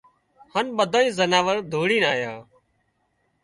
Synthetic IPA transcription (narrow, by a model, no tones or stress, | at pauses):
hənɓəd̪ʱaːĩːzənaːʋəɾd̪ʱoːɽiːnaːjaː